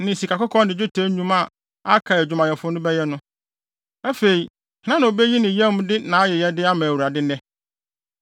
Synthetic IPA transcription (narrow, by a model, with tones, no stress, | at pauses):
nɪ̃˨si˨ka˨kɔ˦kʰɔ̃˦nɪ̃˨d͡ʑᶣʊ˦tʰe˦ɲũ˦ma˦˨ | a˦kʰa˨ɛ˨d͡ʑᶣʊ˨mã˨jɛ˨fʊ˦nʊ̃˦bɛ˦jɛ˦nʊ̃˦ | æ˦fe˨i˨ | hnã˦nã˨o˨be˦ji˦nɪ̃˨jɛ̃˦m˦dɪ˦nã˨˦a˦jɛ˨jɛ˦dɪ˦a˦mã˨wu˨ɾa˨dɪ˦nɛ̃˦